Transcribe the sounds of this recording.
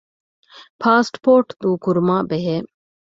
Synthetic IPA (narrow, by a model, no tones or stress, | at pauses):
pʰaːsʈpoːɾʈt̪uːkuɾmaːʔbeɦe